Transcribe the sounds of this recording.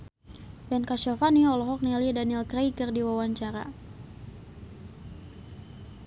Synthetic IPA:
bɛnkaʃɔfaniɔlɔɦɔk̚nɛlidanɛlkrejkərdiwawaɲt͡ʃaɾa̰

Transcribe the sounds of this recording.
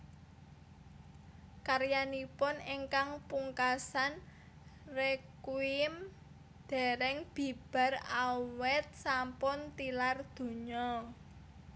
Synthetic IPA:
karjanipʊneŋkaŋpuŋkasan | rekwɪm | d̪̥ɛ̤ɾɛŋb̥i̤b̥a̤rawɛt̪̚sampʊnt̪ilard̪̥o̤ɲɔ

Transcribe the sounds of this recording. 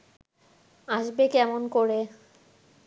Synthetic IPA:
aʃbekɛmonkoɾe

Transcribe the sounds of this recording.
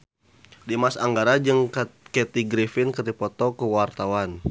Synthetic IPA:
dimasaŋɡaɾad͡ʒɨŋkɛt̪iɡɾifɪnkərdipɔt̪ɔkəwart̪awan

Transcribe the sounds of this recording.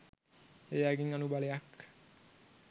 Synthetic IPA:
ejaɡiŋanubaleak

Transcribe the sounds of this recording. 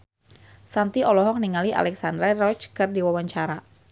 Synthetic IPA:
sant̪iʔɔlɔɦɔk̚niŋaliʔa̰lɛksandɾarɔt͡ʃkɨrdiwawaɲt͡ʃaɾa

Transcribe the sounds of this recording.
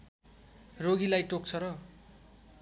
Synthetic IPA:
roɡilajʈok̚t͡sʰʌɾʌ

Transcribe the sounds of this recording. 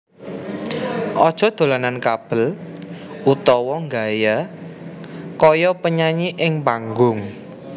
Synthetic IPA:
ʔɔd̥ʒ̥ɔ̤d̪̥o̤lanankab̥ə̤l | ut̪ɔwɔŋɡaja | kɔjɔpəɲaɲiʔɪŋpaŋɡʊŋ

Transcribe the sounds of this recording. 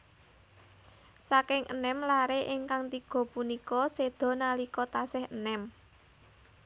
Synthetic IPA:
sakɪŋʔənɛmlaɾeʔɪŋkaŋt̪iɡ̥ɔ̤punikɔsed̪̥ɔ̤nalikɔt̪asɪhənɛm

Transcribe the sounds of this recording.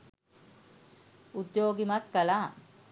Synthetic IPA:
ud̪joːɡimat̪kəlaː

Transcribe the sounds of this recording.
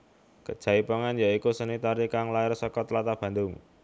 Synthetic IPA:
kəd̥ʒ̥a̤ipəŋanjaikusənit̪aɾikaŋlaɪrsɔkɔt̪lat̪ab̥ä̤nd̪ʊŋ

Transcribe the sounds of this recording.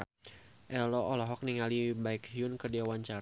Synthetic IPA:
ʔɛlɔɔlɔɦɔk̚niŋalibaikɦiunkərdiawaɲt͡ʃa

